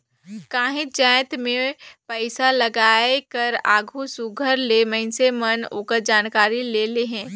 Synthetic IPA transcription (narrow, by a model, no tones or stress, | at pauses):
kaːɦẽd͡ʒɛ̃ːt̪mẽpəɪsalɐɡaːekəɾaːɡʱusuɡʱəɾlemɐ̃ɪ̃nseməno̰kəɾd͡ʒaːnkaːɾileːleɦɛ̃ː